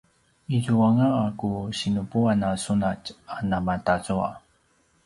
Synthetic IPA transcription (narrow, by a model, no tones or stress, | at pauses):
izuaŋaːkuɕinupuanasunacanamatazua̰